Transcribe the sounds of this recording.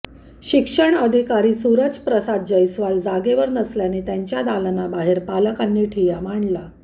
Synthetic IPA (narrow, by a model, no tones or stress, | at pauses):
ɕikʂəɳəd̪ʱikaɾiːsuɾət͡spɾəsad̪̚d͡ʑəjsʋald͡zaɡeʋəɾnəsljanet̪jãɲt͡ɕjad̪alənabaɦeɾpaləkanːiːʈʰijam̤aɳla